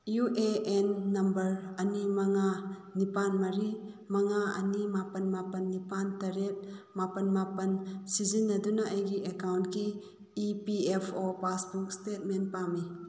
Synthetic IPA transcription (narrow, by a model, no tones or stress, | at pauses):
juʔeenːɐmbəɾɐnimaŋanipanmaɾi | maŋaɐ̰nimapənmapənːipantɐɾet̚ | mapɐnmapɐnsizinːɐdunaʔɐjɡiʔekawntkiː | piepʰopasbuk̚stet̚menpami